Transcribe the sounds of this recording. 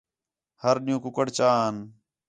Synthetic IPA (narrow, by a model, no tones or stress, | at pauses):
həɾɗɪjũːkʊkəɽt͡ʃaːən